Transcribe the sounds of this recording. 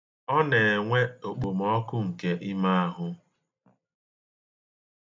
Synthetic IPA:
ɔ˦ne˨e˨ŋʷe˦o˨k͡po˨m̩ɔ˦kʊ˦ŋ̩˨ke˦ʔɪ˦ma˦a˦ɦʊ˦

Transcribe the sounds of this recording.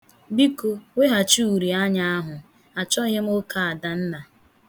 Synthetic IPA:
bi˦ko˨we˦ɦa˨t͡ʃu˦u˨ɾi˨a˦ɲa˦a˦ɦʊ˨ | a˨t͡ʃɔ˦ɦɪ˦m̩˦o˦ka˨a˨da˨n̩˦na˨

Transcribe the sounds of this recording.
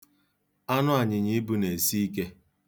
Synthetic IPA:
a˦nʊ˦a˨ɲɪ˨ɲɪ˦bu˦ne˨si˦i˦ke˦

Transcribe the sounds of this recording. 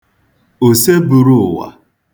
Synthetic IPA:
o˨se˦bu˨ɾu˦ʊ˨wa̰˨

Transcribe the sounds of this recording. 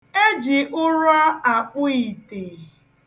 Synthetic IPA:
e˦d͡ʒɪ˨ʔʊ˦ɾɔ˦a˨k͡pʊ˦i˨te˨

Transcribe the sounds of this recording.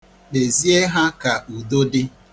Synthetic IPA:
ɗe˨zi˦e˦ɦa˦ka˨u˨do˦dɪ˦

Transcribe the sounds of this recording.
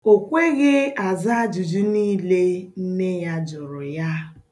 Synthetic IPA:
o˨kʷe˦ɣe˦a˨za˦d͡ʒu˨d͡ʒu˦niː˦le˦n̩˦ne˦ja˦d͡ʒʊ˨ɾʊ˨ja˦

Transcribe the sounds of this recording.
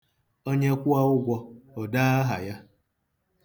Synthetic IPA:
o˦ɲe˦kʷʊ˦a˦ʊ˦ɡʷɔ˦ɔ˨daː˦a˦ɦa̰˨ja˦

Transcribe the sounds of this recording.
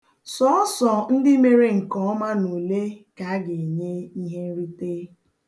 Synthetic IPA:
sɔ˦ɔ˦sɔ˨n̩˦dɪ˦me˨ɾe˦ŋ̩˨kɔ˦ma˦no˨le˦ka˨a˦ɡe˨ɲe˦i˦ɦe˦n̩˦ɾi˦te˦

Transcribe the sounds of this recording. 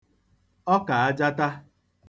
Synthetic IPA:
ɔ˦ka˨a˦d͡ʒa˦ta˦

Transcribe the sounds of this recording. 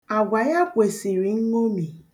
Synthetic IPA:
a˨ɡʷa˨ja˦kʷe˨si˨ɾi˨ŋ̩˦ŋo˦mi˨

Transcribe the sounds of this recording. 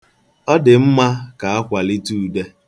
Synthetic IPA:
ɔ˦dɪ˨m̩˦ma˦ka˨a˦kʷa˨li˦tu˦u˨de˦

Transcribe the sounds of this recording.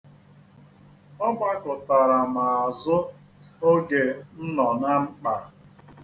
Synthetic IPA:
ɔ˦ba˦kʊ˨ta˨ɾa˨ma˨a˨zʊ˦ | o˦ɡe˨n̩˦nɔ˨na˦ŋ͡m̩˦k͡pa˨

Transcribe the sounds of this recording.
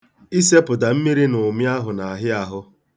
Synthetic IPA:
i˦se˦pʊ˨da˨m̩˦mi˦ɾi˦nʊ˨mja˦ɦʊ˨na˨ɦɪ˦a˨ɦʊ˦

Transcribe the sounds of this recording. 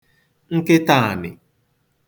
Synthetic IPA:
ŋ̩˦ke˦ta˦˨nɪ̰˨

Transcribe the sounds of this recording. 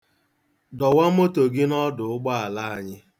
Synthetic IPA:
dɔ˨wa˦m̩˦o˦to˨ɡɪ˦nɔ˦dʊ˨ʊ˦ɡ͡ba˦a˨la˦a˨ɲɪ˦

